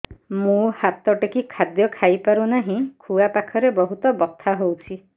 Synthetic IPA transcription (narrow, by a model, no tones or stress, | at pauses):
mũhat̪ɔʈekikʰad̪jɔkʰajpaɾunaɦĩkʰuapakʰɔɾebɔɦut̪ɔbɔt̪ʰːaɦowt͡ʃʰi